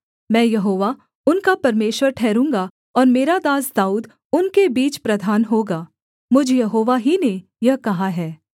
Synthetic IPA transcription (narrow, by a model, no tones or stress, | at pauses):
mɛ̃ːjɐɦoːʋa | ʊnkapɐɾmeːʃwəɾʈʰɛːɾũːŋɡa | ɔːɾmeːɾad̪aːsd̪aːuːd̪ | ʊnkebiːt͡ʃpɾɐd̪ʱaːnɦoːɡaː | mʊd͡ʒʱjɐɦoːʋaɦine | jɐɦkɐɦaɦɛː